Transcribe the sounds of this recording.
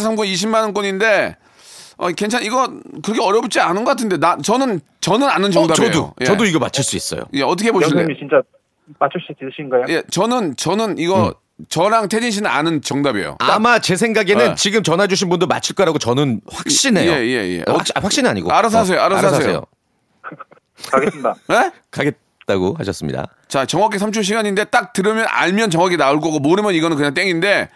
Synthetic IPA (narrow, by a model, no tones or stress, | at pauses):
sʰamkuniɕ̬ʰimanɯnk̬͈onɲinde̞ | ʌ̰kwent͡ɕʰaniɡʌkɯɾʌkʰeʌɾjʌp̚t͡ɕ͈ianɯnɡʌkatʰɯnde̞nat͡ɕʌnɯn | t͡ɕʌnɯnanɯnt͡ɕʌŋdaʌdo̰jeʌdoiɡʌmat͡ɕʰɯɭs͈uḭs͈ʌ̰jo̰je̞ʌtʰʌkʰeboɕiniit͡ɕint͡ɕ͈a | mat͡ɕʰɯɭs͈uitiɕʰiŋɡajje̞t͡ɕʌnɯnt͡ɕʌnɯniɡʌ | t͡ɕʌɾaŋtʰed͡ʑinɕ̬ʰinɯna̰nɯnt͡ɕʌŋdabḛjo̰amat͡ɕe̞sʰe̞ŋɡaɡenɯnt͡ɕiɡɯmt͡ɕʌnɦad͡ʑuɕ̬ʰinbundɯma̰t͡ɕʰiɭk͈ʌɾaɡot͡ɕʌnɯnɸwak̚ɕ͈ineeje̞̰jḛʔkɕɸwakɕ͈ina̰ɲḭɡo̰aɾas̬ʰas̬ʰe̞joaɾaas̬ejeojo̰ | kaɡes͈ɯmidae | kaɡe̞t̚ | t͈aɡohaɕʰʌs͈ɯmɲḭda̰ | t͡ɕat͡ɕʌŋwak̬͈ʰes̬ʰamt͡ɕʰuɕ̬ʰiɡaɲinde̞t͈ak̚tɯɾɯmjʌna̰ɭmjʌnt͡ɕʌŋwakɡʰinauɭk̬͈ʌɡomoɾɯmjʌniɡʌnɯnkɯɲaŋt͈e̞ŋinde̞